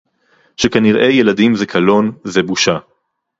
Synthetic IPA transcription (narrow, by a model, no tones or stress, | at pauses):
ʃekaniʁʔe̞jeladimzekʰalo̞nzebuʃa